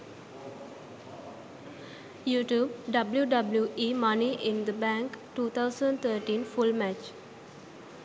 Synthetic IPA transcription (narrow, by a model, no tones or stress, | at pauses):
juːʈjuːb̚ɖʌbljuɖʌbljuʔiːmʌniʔɪ̃nd̪əbæ̃ŋkʈuːt̪ʰaʊsə̃ɳɖt̪ʰəːʈĩnfulmæt͡ʃ